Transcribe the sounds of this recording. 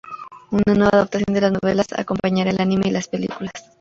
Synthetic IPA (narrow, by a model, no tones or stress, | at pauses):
unanweβaðapt̪asjond̪elasnoβelasa̰ko̞mpaɲaɾalanimeilaspelḭkulas